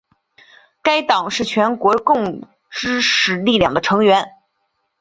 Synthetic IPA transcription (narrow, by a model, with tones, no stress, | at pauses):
ka˥ɪt̪ɑ˨˩ŋʂɻ̩˥˩t͡ɕʰɥɛ˧˥nkwɔ˧˥kʊ˥˩ŋ | ʈ͡ʂɻ̩˥ʂɻ̩˥˧˩li˥˧ljɑ˨˩ŋd̪ə˦ʈ͡ʂʰɤ˧˥ŋɥɛ˧˥n